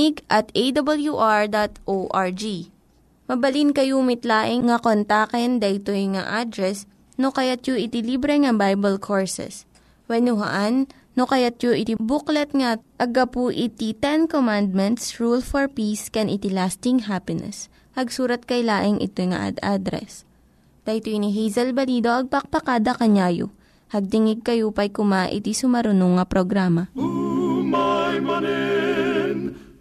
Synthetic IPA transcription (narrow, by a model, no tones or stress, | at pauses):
ɪɡʔɐt̪ejd̪ɐbɐljuʔaɹd̪at̪ʔoʔaɹd͡ʒi | mɐbɐlinkɐjumɪt̪laːʔɪŋŋɐkont̪akɛnd̪ɐʔɪt̪ojŋa̰ʔad̪ɾɛs | nokɐjat̪̚joʔɪt̪ɪlibɾɛŋɐbajbɐlkʰoɹsɛ̰s | wɛnʊɦɐ̰ʔanː | okɐjat̪̚joʔɪt̪ibuklɛt̪̚ŋɐʔɐɡapuʔɪt̪it̪ɛnkomand̪̚mɛnt̪sɹulfoɹpiskɛnʔɪt̪ilast̪ɪŋɦapɪnɛ̰s | hɐɡsuːɾɐt̪̚kɐjlaːʔɪŋʔɪ̰t̪ojŋɐ̰ʔa̰d̪ad̪ɾɛ̰s | t̪ɐʔt̪oiniɦɛjzɐlbɐliːd̪oʔɐɡ̚pɐk̚pɐkaːd̪ɐkɐɲaːjo̰ | hɐɡ̚t̪ɪŋɪɡ̚kɐjupɐjkʊmaʔɪ̰t̪isʊmɐɾʊnoŋːɐpɾoɡɾaːmɐ